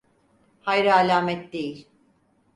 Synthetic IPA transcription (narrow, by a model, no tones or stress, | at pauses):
hajɾɯalʲaːmɛt̪̚d̪e̞jilʲ